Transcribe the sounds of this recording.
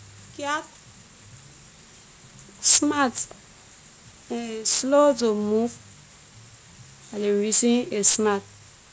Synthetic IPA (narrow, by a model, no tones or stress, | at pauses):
kiak | smat | slozomuf | aleɹisĩnesmat̚